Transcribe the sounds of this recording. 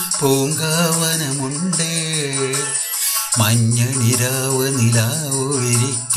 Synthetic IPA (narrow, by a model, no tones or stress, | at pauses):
poːŋɡaːʋɐnɐmuɳɖe | mɐɲːɐɳiɾaːʋɐnilaːʋoiɾikʲː